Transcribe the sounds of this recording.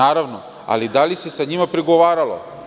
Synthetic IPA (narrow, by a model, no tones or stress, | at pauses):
aːɾaʋno | a̰lid̪alisesaɲimapɾiɡoʋaːɾalo̰